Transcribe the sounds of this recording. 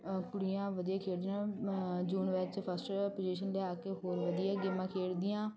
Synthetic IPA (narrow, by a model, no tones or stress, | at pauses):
kʊɽijãːʋəd̪ijaːkʰeːɽd̪ijãːd͡ʒuːnʋet͡ʃpʰəsʈpoːd͡ʒiʃənlɛaːkeːɦoːɾʋəd̪ɪjɛːɡɪmãːkʰeːɽd̪ɪjãː